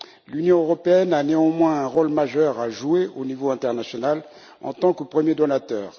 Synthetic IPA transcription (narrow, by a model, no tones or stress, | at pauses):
lynjɔ̃øʁɔpeɛnaneɑ̃mwɛ̃ɛ̃ʁolmaʒœʁaʒueonivoɛ̃t̪ɛʁnasjɔnal | ɑ̰̃t̪ɑ̃kəpχəmjed̪ɔnat̪œːʁ